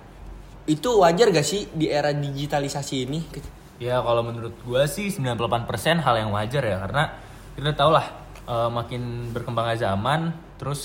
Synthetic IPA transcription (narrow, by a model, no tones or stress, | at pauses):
it̪uwad͡ʒarɡasɪhdiʔeɾadid͡ʒit̪alisasiːnik | jakalamənuɾʊt̪̚ɡuasɪhsəmbilanpulapanpərsɛnɦaljaŋwad͡ʒarjakaɾəna | kit̪udat̪aulah | ʔəːmakɪnbərkəmbaŋanzamant̪əɾʊs